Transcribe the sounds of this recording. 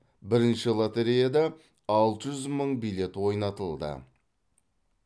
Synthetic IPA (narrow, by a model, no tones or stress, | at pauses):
bɪɾɪnʃɪlˠat̪eɾijad̪ɑ | ɑlˠt̪əʒʏzməɴbijlʲe̞t̪wo̞jnɑt̪əlˠd̪ə̰